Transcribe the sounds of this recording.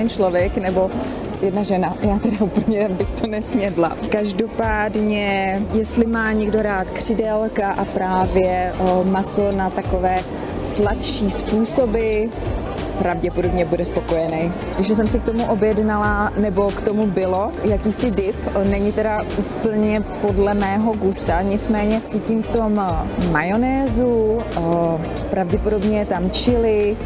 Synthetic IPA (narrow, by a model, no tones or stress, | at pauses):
ɛnt͡ʃlo̞vjɛknɛbo̞ | jɛdnaʒɛnajaːt̪ɛdaʔuːpl̩ɲɛbɪxt̪onɛsmɲɛdla̰kaʒdo̞paːdɲɛjɛst̪lɪmaːɲɛɡdo̞ɾaːt̪kr̝̥ɪdɛlkaʔapɾaːvjɛmasonat̪akovɛː | slat̪ʃiːspuːso̞bɪ | pɾavɟɛpodo̞bɲɛbudɛspo̞ko̞jɛnɛj | jɛʒɛs̬ɛmsɪk̚t̪o̞muʔo̞bjɛdnalanɛbo̞kt̪o̞mubɪlo̞jakiːsɪdɪpnɛɲɪt̪ɛɾauːpl̩ɲɛpo̞dlɛmɛːɦo̞ɡust̪aɲɪt͡smɛːɲɛt͡siːcɪmft̪o̞mːajo̞nɛːzu | pɾavɟɛpo̞do̞bɲɛjɛt̪amt͡ʃɪlɪ